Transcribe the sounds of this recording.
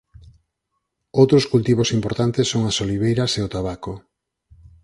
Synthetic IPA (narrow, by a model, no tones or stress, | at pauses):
owt̪ɾʊskult̪iβ̞osimpoɾt̪ant̪ɪsːoŋasoliβ̞ejɾaseʊt̪aβako